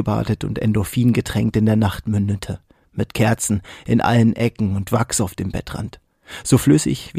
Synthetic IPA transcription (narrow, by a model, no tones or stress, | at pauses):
əba̰ːtətʊ̰ntɛ̰ndofiːnɡətʁ̥ɛŋk̚tɪndeːɐnaχtmʏndətʰə | mɪtkʰɛɐt͡sn̩ɪnʔa̰lənʔɛkŋ̩ʊntv̥aksaʊfd̥eːmbɛ̰tʁ̥a̰nt | z̥oːflʏsɪ̰çv̥iː